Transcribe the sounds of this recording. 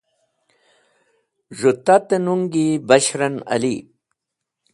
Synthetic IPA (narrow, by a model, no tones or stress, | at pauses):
ʐut̪at̪enuŋɡibɐɕɾɐnɐ̰li